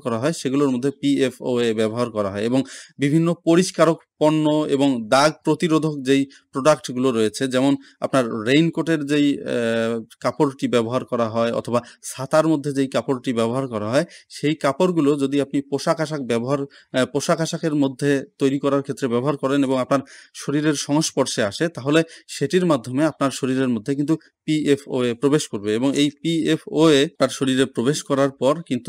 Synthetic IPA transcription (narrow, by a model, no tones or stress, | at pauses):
kɔɾaɦɔeʃeɡuloɾmod̪ʱːepiefoebɛboɦaɾkɔɾaɦɔeeboŋbibʱinːopoɾiʃkaɾokpɔɾnːoḛboŋd̪aɡ̚pɾot̪iɾod̪ʱokd͡ʑej | pɾoɖakʈɡuloɾɔet͡ɕʰed͡ʑɛmon | a̰pnaɾːejnkoʈeɾd͡ʑej | kapoɾʈibɛboɦaɾkɔɾaɦɔeɔ̰t̪ʰobasat̪aɾmod̪ʱːed͡ʑejkapoɾʈibɛboɦaɾkɔɾaɦɔeʃejkapoɾɡulod͡ʑod̪iapnipoʃakaʃak̚bɛboɦaɾ | poʃakaʃakeɾmod̪ʱːet̪ojɾikɔɾaɾkʰet̪ːɾebɛboɦaɾkɔɾeneboŋapnaɾʃoɾiɾeɾʃɔŋoʃpɔɾʃeaʃet̪aɦoleʃeʈiɾmad̪ʱːomeapnaɾʃoɾiɾeɾmod̪ʱːek̬int̪u | piefʰoepɾobeʃkoɾbeeboŋejpiepʰoepnaɾʃoɾiɾepɾobeʃkɔɾaɾpɔɾkint̪u